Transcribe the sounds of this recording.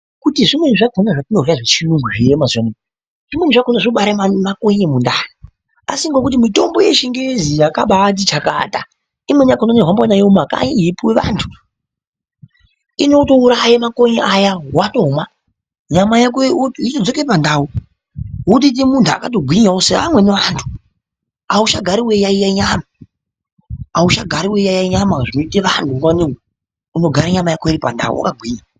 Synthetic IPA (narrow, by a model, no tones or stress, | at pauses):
kutiʐimwe̞niʐakʰonaʐatinoraʐet͡ʃiruŋɡuʐeemazwane | ʐ̥imwe̞n̤iʐakonaʐoɓaɾamakoɲemundaːji | a̰siŋɡokut̬imito̞mbo̞jeʃiŋɡezijakaɓat̬it͡ʃaka̰ta | imwenijakononeɦwambanajeumaka̰ɲiipweʋa̰ntʰu | ino̞to̞uɾajamakoɲeʔajawatoma | ɲamajek̬outitod͡zokeipandaːu | wut̬it̬imuntʰua̰kat̬oɡʱwiɲaosea̰mwe̞neʋantʰu̥ | auʃaɡʱaɾiwejaijaiɲaːma | auʃaɡʱaɾiwejajaiɲamaʐinoitiʋantʰuŋaniwe | uno̞ɡʱaɾaɲamajakoiɾipa̰nda̰wṵwa̰kaɡʱwiːɲa